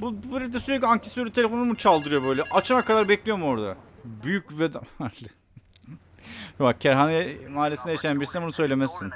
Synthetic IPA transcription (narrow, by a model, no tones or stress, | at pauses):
bubbuɾed̪ɛsyɾɛc̬lʲaɲcʰesøɾʲyt̪ʰeefo̞numut͡ʃʰalˠd̪ɯɾɯjo̞bø̞jlʲɛʔat͡ʃamakʰad̪aɾbɛclʲijo̞muo̞ɾd̪abyjycvɛd̪aaɾl | jovak̚cʰæɾɦanajmaːlʲesinejaʃajanbiɾsnbunusø̞jlʲemæsːin